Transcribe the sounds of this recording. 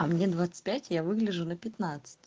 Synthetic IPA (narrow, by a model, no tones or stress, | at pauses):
ɐmnʲed̪vat̪sɨ̥t̚ʲpʲætʲjavɨɡlʲɪʐʊnəpʲɪt̪nat̪sɨ̥tʲ